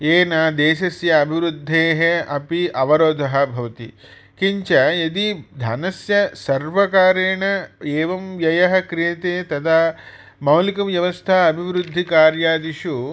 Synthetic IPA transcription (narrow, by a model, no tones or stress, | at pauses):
eːnaːd̪eːʃɐsjɐːbʱiʋɾud̪ʱːeːɦeɐpiʔɐʋɐɾoːd̪ʱɐɦɐ̆bʱɐʋɐt̪i | kiɲt͡ʃɐɐd̪id̪ʱɐnɐsjɐsɐɾʋɐkaːɾeːɳɐeːʋɐmjɐjɐɦɐkɾijɐt̪eːt̪ɐd̪a | mɐwlikɐmjɐʋɐst̪ʰaɐbʱiʋɾud̪ʱːikaːɾjaːd̪iʃu